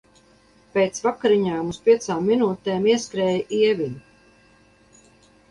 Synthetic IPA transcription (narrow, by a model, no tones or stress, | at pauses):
peːt̪svakaɾiɲaːmuspiɛt̪saːmːinuːt̪eːmiɛskɾɛːjʔiɛvʲiɲ